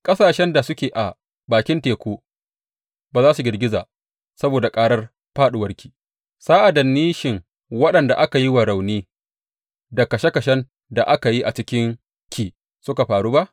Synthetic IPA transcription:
kʼɐ˦saː˨ʃɛ˦nda˨sʊ˦kʲeː˨ʔa˨ | baː˨kʲɪ˦nteː˨kʷoː˦ | baː˨zaː˦su˨ɡʲɪ˨rɡʲɪ˦zaː˨ | sɐ˦boː˨da˨kʼaː˦ɽɐ˦r | ɸaː˦ɗʊ˨wɐ˦rkʲʰi̥ː˨ | saː˦ʔa˨dɐ˨nːiː˦ʃɪ˨ŋ | wɐ˦ɗɐ˨nda˨ʔa˦ka˨ji˦wɐ˨ɽa˨wniː˦ | dɐ˨kɐ˨ʃe˦kɐ˨ʃɛ˦n | da˨ʔa˦ka˨ji˦ʔa˨t͡ʃɪ˦kʲɪ˦ŋ | kʰʲiː˨ | sʊ˦ka˨ɸaː˨ɽuː˦ba˦ʔ

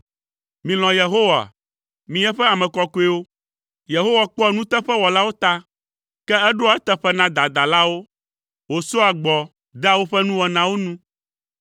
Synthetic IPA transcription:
mĩ˨l̃ɔ̃˨je˨ɦo˦wa˨a̰˨ | mĩ˨ɛ˦ɸɛ˦a˨mɛ̃˨kɔ˨ku˦e˦wo˦ | je˨ɦo˦wa˨k͡pɔ˦˨nũ˦t̪ɛ˦ɸɛ˦wɔ˨la˦wo˦t̪a˦ | kɛ˦ɛ˦ɖo˦a˨ɛ˦t̪ɛ˦ɸɛ˦nã˦d̪a˨d̪a˨la˦wo˦ | wo˨so˦a˨ɡ͡bɔ˨ | d̪ɛ˦a˨wo˦ɸɛ˦nũ˦wɔ˨nã˦wo˦nũ˦

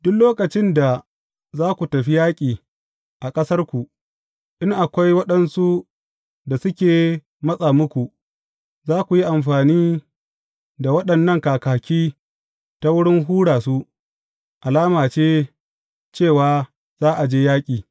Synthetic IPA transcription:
dʊ˦kloː˦kɐ˨t͡ʃɪ˦nda˨ | zaː˦kʷu˨tɐ˨ɸi˦jaː˦kʲʼiː˨ | ʔa˨kʼɐ˦sɐ˦rkʷu˨ | ʔɪ˦ŋʔa˨kʷa˦jwɐ˦ɗɐ˦nsu˦ | da˨sʊ˦kʲeː˨ | mɐ˦sʼaː˨mʊ˦kʷu˨ʔ | zaː˦kʷu˨ji˦ʔa˨mɸaː˨niː˦ | da˨wɐ˦ɗɐ˨nːɐ˦˨ŋkaː˨kaː˨kʲiː˦ | ta˦wʊ˦ɽɪ˦ŋɦuː˦ɽaː˨su˦ʔ | ʔa˨laː˦maː˨t͡ʃeː˦ | t͡ʃeː˦˨waː˦ | z̥aː˦ʔa˨d͡ʒeː˦jaː˦kʲʼiː˨

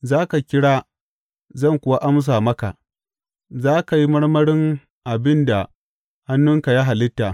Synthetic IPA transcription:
zaː˦ka˨kʲɪ˦ɽaː˦ | zɐ˦˨ŋkʷʊ˨wa˦ʔa˦ms̬aː˨mɐ˦ka˨ | zaː˦ka˨ji˦mɐ˦ɽmɐ˦ɽɪ˦ŋ | ʔa˨bɪ˦nda˨ | ha˦nːʊ˦ŋka˨ja˦ɦa˨lɪ˦tːaː˨

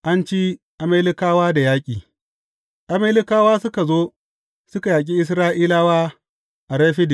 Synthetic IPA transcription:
ʔa˦nt͡ʃi˦ | ʔa˨meː˦lɪ˦kaː˦waː˦da˨jaː˦kʲʼiː˨ | ʔa˨me˦lɪ˦kaː˦waː˦sʊ˦ka˨zoː˦ | sʊ˦ka˨jaː˨k̬ʲʼi˦ʔɪ˦s̬ɾaː˦ʔiː˦laː˦waː˦ | ʔa˨ɽeː˦ɸɪ˦dɪ˨

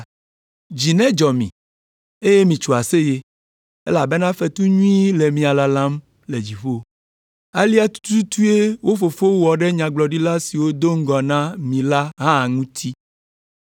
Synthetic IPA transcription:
d͡ʑi˨nɛ̃˦d͡ʒɔ˨mḭ̃˨ | e˦je˦mĩ˨t͡ʃu˨a˨se˦je˦ | ḛ˦la˨be˦nã˦fe˦t̪u˦ɲũ˦i˦le˨mĩ˨a˨la˨lã˦m | le˨d͡ʑi˨ɸo˦ | a˦li˦a˦t̪u̥˦t̪u˦t̪u˦e˦wo˦fo˨fo˦wɔ˨ɖɛ˦ɲã˨ɡ͡blɔ˨ɖi˦la˦si˨wo˦d̪o˦ŋ̩˦ɡɔ˨nã˦mĩ˨la˦ɦã˦˨ŋũ˦t̪ʰi˦

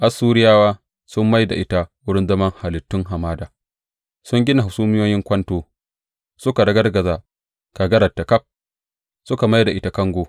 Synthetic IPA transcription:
ʔa˨sːuː˦ɾɪ˦jaː˦waː˦ | sʊ˦mːa˦jda̰˨ʔɪ˦ta˦wʊ˦ɽɪ˦nzɐ˦mɐ˦ŋha˨lɪ˨tːʊ˦ŋɦa˨maː˦daː˨ | sʊ˦ŋɡʲɪ˦na˨hʊ˨suː˦mɪ˦joː˦jɪ˦ŋkʷɐ˦ntoː˦ | sʊ˦ka˨dɐ˦ɡɐ˦rɡɐ˨zaː˨ | ka˨ɡɐ˦ɾɐ˨tːa˨ka˦p̚ | sʊ˦ka˨ma˦jda˨ʔɪ˦ta˨kɐ˦ŋɡʷoː˨

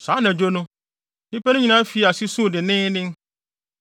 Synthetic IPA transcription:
sã˨˦nã˨d͡ʑo˦nʊ̃˦ | nĩ˦pɛ˦nʊ̃˦ɲĩ˨nã˦fi˨˦˨a˨si˦sũ˦˨dɪ˨nɪ̃˦nɪ̃˦ŋ

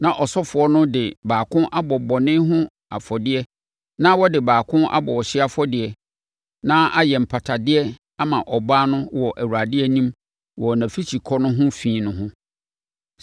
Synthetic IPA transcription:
nã˨ʔɔ˨sɔ˦fʊ˨˦ɔ˦nʊ̃˦dɪ˨baː˨kʰʊ̃˦ʔa˦bɔ˨bɔ˨nɪ̃˦ɦʊ̃˦ | a̰˨fɔ˨dɪ˦ɛ˦ | nã˦wɔ˦dɪ˨baː˨kʰʊ̃˦ʔa̰˦bɔ˨ɔ˨ɕɪ˦a˦fɔ˦dɪ˨ɛ˨ | nãː˦ʔa˦jɛ˨m̩˨pʰa˨tʰa˨dɪ˦ɛ˦ | a˦mã˨ʔɔ˨baː˦nʊ̃˦wɔ˨ʔæ˨wu˨ɾa˨dɪ˦ɛ˦nĩ˦m | wɔ˨nã˨fi˦t͡ɕʰi˨kʰɔ˦nʊ̃˦ɦʊ̃˦fĩː˨˦nʊ̃˦ɦʊ̃˦

